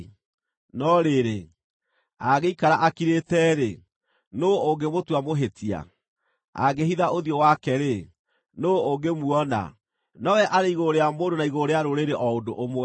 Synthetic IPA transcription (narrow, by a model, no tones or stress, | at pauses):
nɔɾeɾe | aɣeikaɾaʔakiɾetɛɾe | nooɡemotwamoɦetʰia̰ | a̰ɡeɦiðaoðjɔwakɛɾe | nooɡemuɔna̰ | nɔwɛʔaɾeiɣoɾeamoːndonaiɣoɾeaɾoɾeɾeʔɔodoʔomwɛ